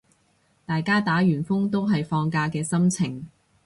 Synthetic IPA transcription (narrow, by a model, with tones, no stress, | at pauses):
t̪aː˨jkaː˥t̪aː˨˥ɥyː˨˩nfʊ˥ŋt̪o˥wɦɐ˨jfɔː˧ŋkaː˧kɛː˧sɐ˥mt͡sʰɪ˨˩ŋ